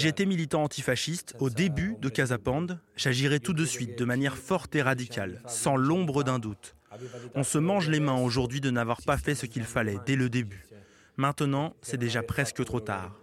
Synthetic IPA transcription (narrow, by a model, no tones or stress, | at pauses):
ʒet̪ɛmilit̪ɑ̃ɑ̃t̪ifaʃist̪od̪ebyd̪əkazapɑ̃d̪ʒ̥aʒiʁɛt̪ud̪əsɥit̪̚d̪əmanjɛʁfɔʁt̪eʁad̪ikʲʰalsɑ̃lɔ̃bʁəd̪ɛ̃d̪ut̪ | ɔ̃səmɑ̃ʒlemɛ̃oʒuʁd̪ɥid̪ənavwaʁpafɛsəkʲilfalɛd̪ɛləd̪eby | mɛ̃t̪ənɑ̃sɛd̪eʒapχɛskət̪χot̪a̰ːʁ